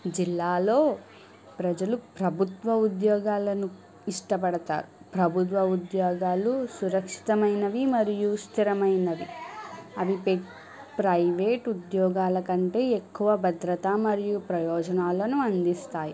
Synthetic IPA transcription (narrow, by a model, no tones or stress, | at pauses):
d͡ʒilːaːlo̞ː | pɾɐd͡ʒɐlupɾɐbʱut̪ʋɐud̪jɔːɡaːlɐnu | iʂʈɐpɐɽɐt̪a̰ːɾupɾɐbʱut̪̬ʋɐud̪jɔːɡaːlusuɾɐkʂi̥t̪ɐmɐjnɐʋimɐɾijust̪ʰiɾɐmɐjnɐʋi | ɐbʱipe | pɾɐjʋeːʈud̪jɔːɡaːlɐkɐɳʈe̞ːekːuʋɐbʱɐd̪ɾɐt̪amɐɾijupɾɐjɔːd͡ʒɐnaːlɐnuɐnd̪ist̪aːji